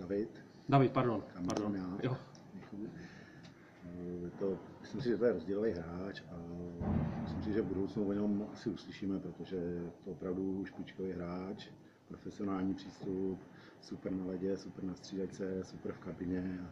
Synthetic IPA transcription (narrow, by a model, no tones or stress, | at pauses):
davɪt̪ | davɪt̪̚paɾdonkamdonjaːjo | ɲɛxu | t̪omɪslɪmsɪʒɛt̪ojɛɾo̞zɟɛlovejɦɾaːt͡ʃa | mɪsɪmsɪʒɛvbudowt͡snuvoɲɛɛmasɪuslɪʃiːmɛpɾot̪oʒɛt̪oopɾavduʃpɪt͡ʃkovejɦɾaːt͡ʃ | pɾofɛsɪonaːlɲiːpr̝̥iːst̪up | supɾnalɛɟɛsupɾnast̪r̥iːdajt͡sɛsupɾfkabɪɲɛa